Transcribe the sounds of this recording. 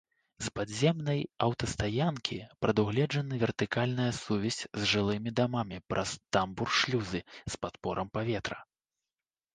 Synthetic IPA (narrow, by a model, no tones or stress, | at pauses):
spad̪zʲɛmnɐjɐwt̪ɐst̪ajankʲʰipɾɐd̪uɣlʲɛd͡ʐɐnɨvʲɛrt̪ɨkalʲnɐjɐsuvʲɛsʲzʲʐɨlˠɨmʲid̪amamʲipɾʔɐ̰st̪amburʂlʲuzɨspat̪pɔɾɐmpavʲɛt̪ɾɐ